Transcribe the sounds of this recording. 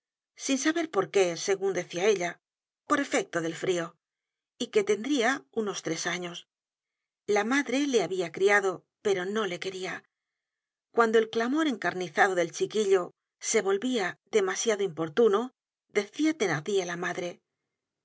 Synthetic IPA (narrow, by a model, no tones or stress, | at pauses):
sinsaβe̞ɾpo̞ɾke̞se̞ɣund̪e̞θiae̞ʎa | po̞ɾe̞fe̞k̚t̪oðe̞lfɾio̞ | ike̞t̪e̞nd̪ɾiauno̞st̪ɾe̞saɲo̞s | lamaðɾele̞aβiakɾiaðo̞ | pe̞ɾo̞no̞le̞ke̞ɾia | kwand̪o̞e̞lklamo̞ɾe̞ŋkaɾniθaðo̞ðe̞lt͡ʃikiʎo̞ | se̞βo̞lβiaðe̞masjaðoimpo̞ɾt̪uno̞ | ðe̞θiat̪e̞naθialamaðɾe̞